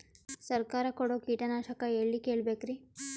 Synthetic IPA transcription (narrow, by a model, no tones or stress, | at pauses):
sɐɾkaːɾɐkoɽoːkiːʈɐnaːʃɐkɐeːɭːikeːɭbeːkɾi